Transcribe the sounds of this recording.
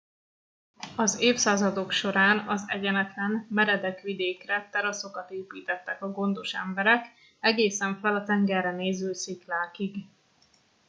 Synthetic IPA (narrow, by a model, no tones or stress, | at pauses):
ɒzeːfsaːzɒd̪o̞kʃo̞ɾaːnɒzɛɟɛnɛt̪lɛnmɛɾɛd̪ɛkʋid̪eːkrɛt̪ːɛɾɒso̞kɒt̪eːpiːt̪ɛt̪ːɛkɒɡo̞nd̪o̞ʃɛ̰mbɛɾɛk | ɛɡeːsɛɱfɛlɒt̪ɛŋɡɛrːɛneːzylsiklaːkiɡ